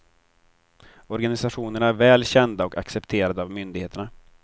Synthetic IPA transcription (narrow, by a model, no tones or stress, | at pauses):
ɔɾɡanɪsaɧuːnəɳaæɾvɛːlɕɛnd̪aɔka̰ksɛpt̪ʰeːɾad̪əavmʏnd̪ɪɡheːt̪əɳa